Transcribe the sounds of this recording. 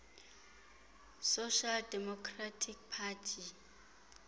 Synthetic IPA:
soʃaldɛmɔkʰratʰik̚pʰatʰi

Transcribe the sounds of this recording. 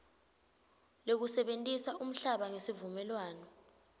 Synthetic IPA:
lok̬usɛɓentʼisaʔum̩ɬaɓaŋesivumɛlwaːnɔ

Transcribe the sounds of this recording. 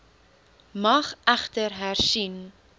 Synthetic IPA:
mɐχæχtərɦærsin

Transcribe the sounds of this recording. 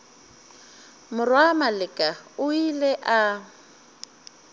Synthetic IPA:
mʊrwamalɪkʼaʊilɛʔa

